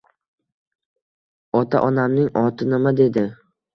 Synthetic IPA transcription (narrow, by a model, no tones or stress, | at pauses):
ɒt̪ʰa̰ʔɒnamnɪŋɒt̪ʰɪnɪmad̪e̞d̪ɪ